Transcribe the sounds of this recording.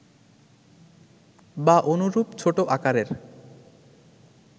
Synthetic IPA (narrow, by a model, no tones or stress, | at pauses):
baʔonuɾupt͡ɕʰoʈoʔakaɾeɾ